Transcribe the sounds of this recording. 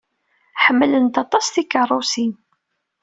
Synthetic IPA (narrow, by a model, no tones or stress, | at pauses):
ħəmːələnt̪ɑt̪ˤɑsθikərˤːʊsin